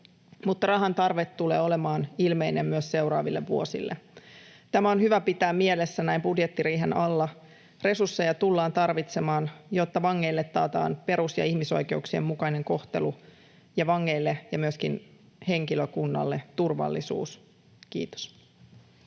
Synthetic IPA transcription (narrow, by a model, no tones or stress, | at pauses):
mut̪ːɑrɑɦɑnt̪ɑrʋet̪t̪ːulḛːo̞lemɑːnilme̞inemmyøsse̞wɾɑːʋilːeʋʋuosḭlːet̪æmæonhyʋæpit̪æːmmielesːænæimbudjet̪ːiɾiːɦe̞nɑlːɑ | re̞sursːejɑt̪ulːɑːnt̪ɑrʋit̪semɑːnjo̞t̪ːɑʋɑŋːe̞ilːet̪ːɑːt̪ɑ̰ːnpe̞ɾusjɑ̰ihmiso̞̰jke̞uksiḛmmukɑine̞ŋko̞ht̪e̞̰lu | jɑʋɑŋːe̞ilːejɑmyøskin | he̞ŋkiløkunːɑ̰lːet̪urʋɑ̰lːisṵːs | kḭːt̪o̥s